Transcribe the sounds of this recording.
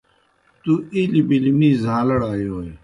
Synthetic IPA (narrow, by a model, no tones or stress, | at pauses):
t̪uilibilimiːzãːlɐɽaːjoːj